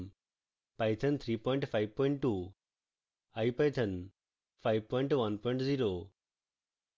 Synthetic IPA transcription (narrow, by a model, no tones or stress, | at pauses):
m | pajt̪ʰənt̪ʰɾiːpɔjɳʈfajʋpɔiɳʈʈːu | ajpajt̪ʰən | fʰajʋpɔjɳʈʋənpɔj̃ɳʈd͡ziɾo